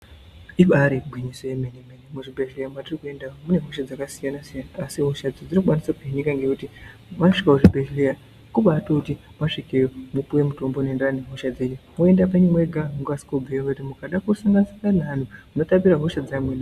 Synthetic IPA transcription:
iɓaɾiɡʱwiɲisojemenemenemuʐibʱeʒlejamwatirikue̞ndaomune̞ɦo̞ʃad͡zakasijanasijanaːsiɦoʃad͡zod͡ziɾikuɓanisapiiɲikaŋɡekuti | mwaʂikakuʐibʱeʃleja | kuɓatoutimwaʂikejomupuwe̞muto̞mbonendaaneɦoʃad͡zeɲemue̞ndap̬aɲimweɡʱauŋɡasi̥kobʱejomtimukaɗakusaŋɡansaŋɡanaːn̤umuno̞tapiɾaɦoʃad͡zamwena

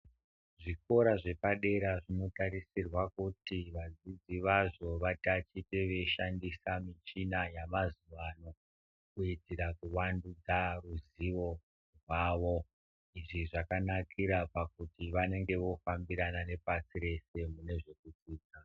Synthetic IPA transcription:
ʐiko̞ɾaʐe̞paɗe̞ɾaʐino̞taɾisirwakutiʋad͡zid͡ziʋaʐo̞ʋatat͡ʃiteʋe̞ʃandisamit͡ʃinajamazuʋano̞ | kuitiɾakuʋandud͡zaruziʋo̞ | rwaːʋo̞ | iʐiʐakanakʰiɾapakutiʋane̞ŋɡe̞ʋo̞fambiɾanane̞pasiɾe̞se̞mune̞ʐe̞kut͡siːd͡za

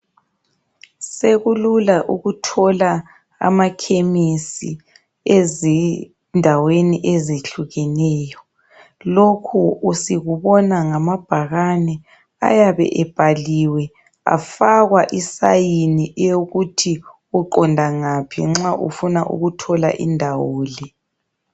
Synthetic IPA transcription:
seɣululaʔuɣutʰɔla | a̰makʰemisi | ezɛ | ndʱaweniʔezeɬuɣɛnɛːjɔ | lokʰuusiɣuβɔnaŋamab̥ʱaɣanɛ | a̰jaβɛ̰ʔɛb̥ʱaliwɛ | a̰faɣwaʔisajiniʔɛjoɣutʰi | uǃɔndʱaŋapʰḭŋ͡ǁaʔṵfunaʔṵɣutʰɔla̰ʔḭndʱawoːlɛ

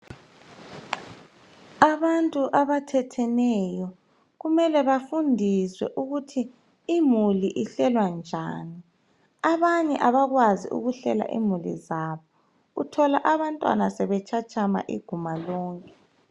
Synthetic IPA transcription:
aβantʼuʔaβatʰɛtʰɛnɛjɔ | ɣumɛlɛβafundʱiswɛ̰ʔuɣutʰiː | muliʔiɬɛlwand͡ʒʱa̰ːni | aβaɲɛʔaβaɣwazḭʔṵɣuɬɛ̰la̰ʔḭmulḭzaβɔ | ṵtʰɔlaʔaβantʼwa̰nasɛβɛt͡ʃʰʼat͡ʃʼama̰ʔḭɡ̥ʱumalɔːŋkʼɛ

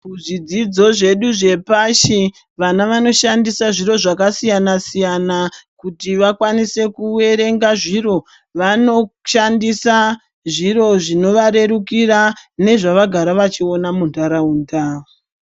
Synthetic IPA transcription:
uʐid͡zid͡zo̞ʐe̞ɗuʐe̞paʃi | ʋanaʋano̞ʃandisaʐiro̞ʐakasijanasijanakutiʋakwanise̞kue̞ɾe̞ŋɡaʐiro̞ | ʋano̞ʃandisa | ʐiɾo̞ʐino̞ʋaɾe̞ɾukirane̞ʐaʋaɡʱaɾaʋat͡ʃio̞namundaɾauːnda

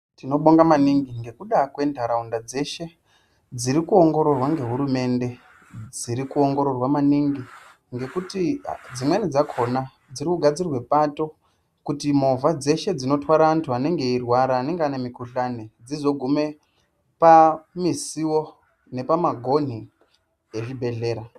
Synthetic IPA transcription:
tino̞ɓoŋɡamaniŋɡiŋɡe̞kuɗakwe̞ndʱaɾaundad͡ze̞ʃe̞ | d͡ziɾikuo̞ŋɡo̞ɾo̞rwaŋɡe̞ɦuɾume̞nde̞ | d͡ziɾikuo̞ŋɡo̞ɾo̞rwamaniŋɡi | ŋɡe̞kutid͡zimwenid͡zakʰo̞na | d͡ziɾikuɡʱad͡zirwe̞pato̞ | kutimo̞vad͡ze̞ʃe̞d͡zino̞twaɾaːntuane̞ŋɡe̞irwaɾaːne̞ŋɡeane̞mikuɬaned͡zizo̞ɡʱume̞ | pamisiwo̞ | ne̞pamaɡʱo̞n̤i | eʐibʱe̞ɮe̞ːɾa

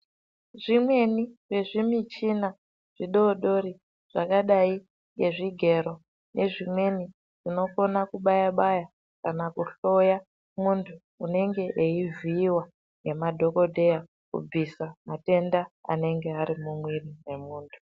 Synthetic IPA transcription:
ʐimwe̞nire̞ʐimit͡ʃina | ʐ̥iɗo̞ːɗo̞ɾi | ʐ̥akaɗai | ŋɡe̞ʐiɡʱe̞ɾo̞ | nʔe̞ʐimwe̞ni | ʐ̥ino̞ko̞nakuɓajaɓaja | kanakuɬo̞ja | muntʰuːne̞ŋɡe̞ʔeiviːwa | ŋɡe̞madʱo̞ko̞dʱe̞ja | kṵb͡visamate̞ndaa̰ne̞ŋɡe̞aɾimumwirine̞muːntʰu̥

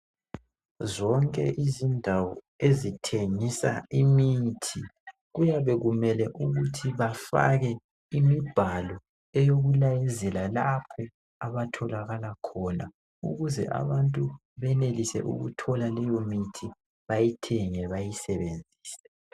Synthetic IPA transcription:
zɔŋkʼɛ̰ʔizindʱawɔ̰ | ezitʰeŋisa̰imitʰi | ɣujaβɛɣumɛlɛʔuɣutʰiβafa̰ɣɛ | imib̥ʱalɔ | ɛjoɣulajɛzɛlalapʰɛ | aβatʰɔlaɣalakʰɔna | ṵɣuzɛ̰ʔa̰βantʼu | βɛnelisɛ̰ʔṵɣṵtʰɔlalɛjomitʰi | βajitʰɛŋɛβajisɛβend͡zʱiːsɛ̥

